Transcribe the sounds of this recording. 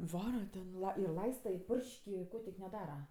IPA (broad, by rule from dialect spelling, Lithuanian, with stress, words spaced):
ˈʋɑːrɐ tʲɛn ɪr ˈlˠɐɪstɐ ɪ ˈpʊrʲʃʲkʲ ɪ ˈkoː tʲɪk nʲɛˈdɑːrɐ